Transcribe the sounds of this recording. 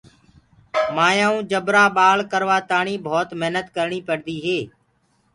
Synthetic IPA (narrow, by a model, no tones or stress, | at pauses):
maːjãːũːd͡ʒəbɾaːɓaːɭkəɾʋaːt̪aːɳiːbʱoːt̪məɦnət̪kəɾɳiːpəɽd̪iːɦeː